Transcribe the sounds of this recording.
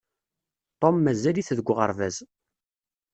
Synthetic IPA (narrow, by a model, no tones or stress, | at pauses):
t̪ˤomːæzæliθðəɡʷːʁə̰ɾvæz